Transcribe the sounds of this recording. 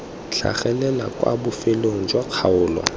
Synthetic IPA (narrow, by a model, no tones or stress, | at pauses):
ɬʰa̰χɛlɛlakʼwa̰bʊfɪloŋ̩d͡ʒwaq͡χʰaʊːlwa̰